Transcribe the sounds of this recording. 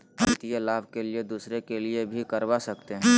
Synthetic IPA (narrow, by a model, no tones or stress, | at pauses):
ɦɐnt̪ijelaːbʱkelied̪uːsɾekeliebʱikɐɾʋasɐkt̪eɦɛ̃ː